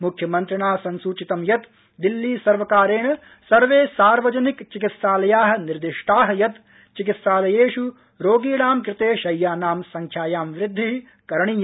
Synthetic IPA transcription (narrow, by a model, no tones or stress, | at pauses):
mukʰjɐmɐnt̪ɾɐɳaːsɐnsuːt͡ʃit̪ɐmjɐt̪ | d̪ilːiːsɐɾʋɐkaːɾeːɳɐ | sɐɾʋeːsaːɾʋɐd͡ʒɐnikt͡ʃikit̪saːlɐjaːɦɐ̆niɾd̪iʃʈaːɦɐ̆jɐt̪ | t͡ʃik̬it̪saːlɐjeːʃu | ɾoːɡiːɽaːmkɾɪt̪eːʃɐjːaːnaːmsɐŋkʰjaːjaːmʋɾɪd̪ʱːi | kɐɾɐɳij